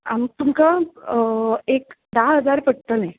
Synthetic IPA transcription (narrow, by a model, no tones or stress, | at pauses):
amt̪umka | ek | d̪aɦəd͡zaɾpəɽ̚t̪əne